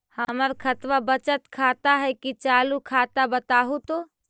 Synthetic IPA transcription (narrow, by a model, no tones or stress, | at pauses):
həməɾkʰət̪ʋabət͡ʃət̪kʰat̪aɦɛkit͡ʃaːlukʰat̪abət̪aɦut̪o